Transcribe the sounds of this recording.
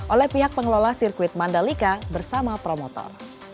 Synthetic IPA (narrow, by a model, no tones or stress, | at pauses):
ʔolɛhpiɦak̚pəŋlolasirkuɪt̪̚mandalikabərsamapɾomot̪ɔ̰r